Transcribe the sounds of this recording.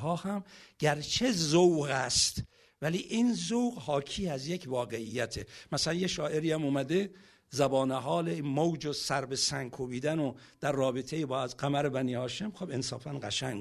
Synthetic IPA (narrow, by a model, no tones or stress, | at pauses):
ɦɒːhæmɟ̥æɾt͡ʃʰe̞zowɣæst̪ | væliːʔinzowɣhɒːkʰiːæzjecʰvɒːɡe̞ijːæt̪ʰemæsælænjeʃɒːʔe̞ɾiːæmuːmæd̪e | zæbɒːneɦɒːleimowd͡ʒosæɾbe̞sæŋkʰobiːd̪ænod̪̥æɾːɒːbet̪ʰejebɒːzɡæmæɾebæniːhɒːʃe̞mxobensɒ̰ːfænɢæʃæŋ